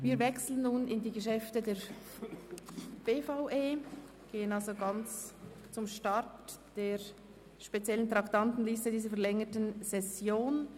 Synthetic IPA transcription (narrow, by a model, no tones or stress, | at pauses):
viːɐɾvɛkslənːuːnɪndiːɡəʃɛftədeːɐ | b̥eːfaʊʔeː | ɡ̥eːənɑlzoɡɑnt͡s | t͡sʊmʃtɑɾtd̥eːɾ | ʃpet͡sjɛləntʁɑktɑntn̩listədiːzəɾfɛɐʁlɛŋətənzɛsjoːn